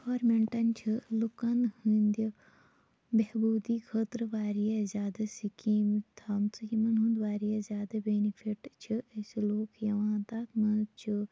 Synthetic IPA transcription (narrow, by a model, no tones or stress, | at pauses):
hoːɾmeɳʈɐnt͡ʃʰilukɐnhĩnd̪i | behbuːd̪iːkʰət̪ɾʋaːɾijazʲjaːd̪ɐsikiːmt̪ʰaːmt͡sɐjimɐnɦũnd̪ʋaːɾijezjaːd̪ɐbeːnifʰiʈt͡ʃʰieseloːkjɐʋãːt̪ɐkmɐt͡ʃʰi